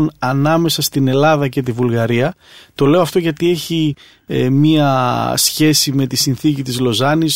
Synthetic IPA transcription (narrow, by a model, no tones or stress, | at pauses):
nɐnɐme̞sɐst̪ine̞lɐðɐce̞t̪ivulɣɐɾiɐ | t̪o̞le̞oɐft̪o̞ʝɐt̪ie̞çi | miɐsçe̞sime̞t̪isinθicit̪izlo̞zɐnis